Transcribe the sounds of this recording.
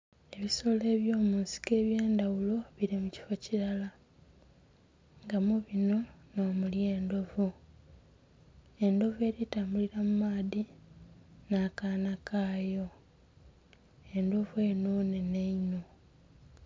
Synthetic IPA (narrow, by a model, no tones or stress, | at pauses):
e̞βiso̞ːle̞ːβjo̞ːmuːnsi̥ke̞ːβjeːnd̪awulo̞βiɾimuci̥fociɾala | ŋɡamuβino̞noːmulje̞ːndo̞vu | e̞ndo̞vue̞ːɾitaːmbuliɾamumaːði | nakaːnakʰaːjo̞ | e̞ndo̞vue̞noːne̞neino̞